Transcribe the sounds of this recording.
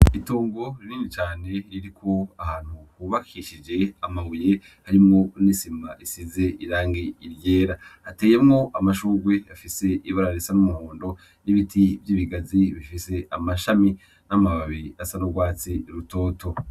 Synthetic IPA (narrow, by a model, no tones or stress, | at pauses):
itoːŋɡo̞ɾiniːnit͡ʃaːne̞ɾiɾikʰo̞ahaːn̥huhuβakʰiʃid͡ʒe̞amaβuje̞ | haɾimŋo̞nisima̰isize̞iɾaːŋɡiiɾɟe̞ːɾahate̞ːje̞mŋo̞ʔamaʃuːɾɡwe̞afise̞ʔiβaɾaɾisanumuhoːndo̞ | niβitʰivjiːβiɡaziβifise̞ʔamaʃami | namaβaβiɾiasanoɡwaːt͡siɾuto̞ːtʰo̞